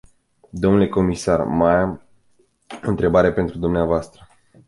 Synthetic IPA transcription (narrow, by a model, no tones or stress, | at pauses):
d̪o̞mnule̞ko̞misarmajam | oɨnt̪ɾe̞baɾeepe̞nt̪ɾud̪umneavoast̪ɾə